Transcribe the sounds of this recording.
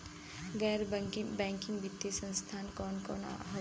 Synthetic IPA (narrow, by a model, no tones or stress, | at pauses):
ɡɛːɾbŋkbɛ̃ːŋkɪ̃ŋɡbʱɪt̪ːisə̃nst̪ʰaːnkɔːnkɔːna̰ɦo